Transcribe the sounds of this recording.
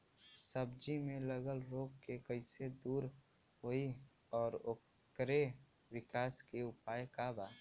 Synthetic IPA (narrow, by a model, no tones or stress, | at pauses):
səbd͡ʒimẽləɡəlɾoːkkekəɪsed̪uːɾ | ɦoi | ɔːɾo | kɾe | wɪkaːskeʊpaːjkabaː